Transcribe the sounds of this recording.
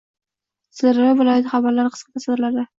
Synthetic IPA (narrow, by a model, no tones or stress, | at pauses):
sɪɾɾɪvɪlˠɒjat̪χabaɾlaɾqʰɨ̥sqʰɑt̪ʰasɨd̪ɾlaɾd̪a